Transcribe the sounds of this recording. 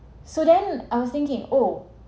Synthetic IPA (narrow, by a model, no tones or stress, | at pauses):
sodɛ̃naɪjwɔst̪ɪ̃ŋkɪ̃ŋo